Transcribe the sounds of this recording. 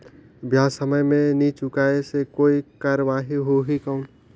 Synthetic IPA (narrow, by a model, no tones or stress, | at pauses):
bʱjãːsəməjmẽnit͡ʃʊkaːesekoːikaːɾəʋaːɦiɦoɦikə̃ũ